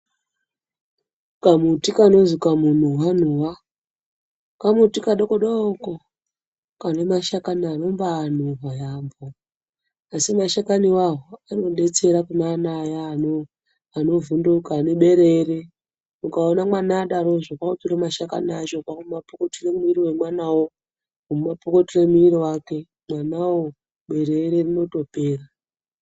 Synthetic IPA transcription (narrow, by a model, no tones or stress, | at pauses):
kamutikano̞zikamun̤uwan̤uwa | kamutikaɗokoɗaoko | kanemaʃakanano̞mbaːn̤uɦajaːmbo | asimaʃakaniwaɦoaruɗe̞t͡se̞ɾakumanajanoː | no̞vundukaneɓe̞ɾe̞ːre | mukaonamwanaːɗaɾo̞ʐakwautuɾamaʃaka̰nat͡ʃokakumapokotire̞muiriwe̞mwanawo | umumapokotire̞muiɾiwake̞ | mwanawo | ɓe̞ɾeɾerino̞to̞pe̞ːra